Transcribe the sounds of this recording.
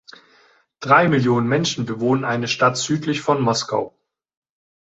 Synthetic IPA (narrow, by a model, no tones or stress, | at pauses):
d̥ʁaɪmɪljoːnənmɛnʃn̩bəvoːnənʔaɪnəʃtatz̥yːtlɪçfɔnmɔska̰ʊ